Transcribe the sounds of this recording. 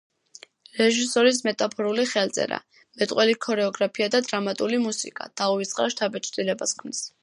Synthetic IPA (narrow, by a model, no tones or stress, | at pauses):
ɾɛʒisɔɾis̬mɛt̪ʼapʰɔɾuliχɛlt̪sʼɛ̰ɾa̰ | mɛt̪ʼqʼwɛlikʰɔɾɛɔɡɾapʰiad̪ad̪ɾamat̪ʼulimusḭkʼa̰d̪̥auvit̪sʼqʼa̰ʃt̪ʰabɛt͡ʃʰd̪ilɛbaskʰmnis